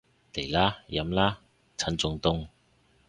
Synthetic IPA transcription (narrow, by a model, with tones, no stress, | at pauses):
le˨˩laː˥jɐ˨˥mlaː˦˥ | t͡sʰɐ˨˥nt͡sʊ˧ŋt̪ʊ˥ŋ